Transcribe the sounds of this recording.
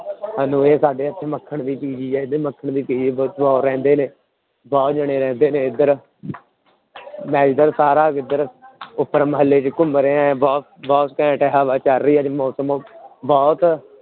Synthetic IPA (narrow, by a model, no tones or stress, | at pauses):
ɦaːnũːeːsaːɖeːət̪ʰːeməkʰːəɳd̪iːpiːd͡ʒiːɛːɪd̪əməkʰːəɳd̪iːpiːd͡ʒbɔːbɔːɾɛ̃ːnd̪eːneː | bɔːt̪d͡ʒəɽeːɾɛ̃ːnd̪eːneːɪd̪əɾ | mɛ̃ːd͡ʒɪd̪əɾsaːɾaːɪd̪əɾʊpːəɾməɦəlːeːt͡ʃkʊməɾeːãːbɔːt̪ | bɔːt̪kɛ̃ːʈɛːɦaːʋaːt͡ʃəɾːəiːɛːd͡ʒmɔːsəmːbɔːt̪